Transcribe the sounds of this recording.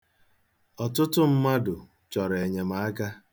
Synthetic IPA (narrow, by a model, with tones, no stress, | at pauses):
ɔ˨tʊ˦tʊ˦m̩˦ma˦dʊ˨ | t͡ʃɔ˨ɾe˨ɲe˨ma˨a˦ɡa˦